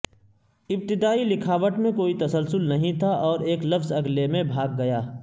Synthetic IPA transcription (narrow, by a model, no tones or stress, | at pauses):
ɪb̚t̪ɪd̪aːilɪkʰaːʋəʈmẽkoːit̪ɐsəlsʊlnɐɦĩt̪ʰaʔɔːɾeːklɐfzɐɡlemẽbʱaːɡ̚ːɐjaː